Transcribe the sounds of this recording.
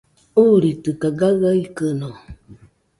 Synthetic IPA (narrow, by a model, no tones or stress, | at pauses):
uɾitɨkaɡaɣaikəno